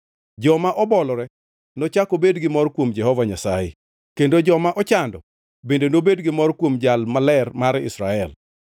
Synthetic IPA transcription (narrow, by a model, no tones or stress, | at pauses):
d͡ʒɔmaʔɔbɔlɔɾɛ | nɔt͡ʃakobedɡɪmɔrkwomd͡ʒɛhɔvaɲasajɪ̰ | kendod͡ʒɔmaʔɔt͡ʃandɔ | bendenobedɡɪmɔrkwomd͡ʒalmalɛrmaɾɪ̰sɾaɛl